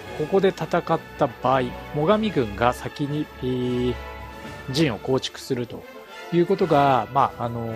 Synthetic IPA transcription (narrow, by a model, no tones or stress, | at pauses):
ko̞ko̞d̪e̞t̪at̪akat̪ːabaːimo̞ɡamʲiɡɯ̟̃ŋɡasakʲiɲ̟ieː | d͡ʑĩɰ̃o̞ko̞ːt͡ɕi̥kɯ̟̥sɨɾɯ̟t̪o̞ | jɯ̟ːko̞t̪o̞ɡamaːno̞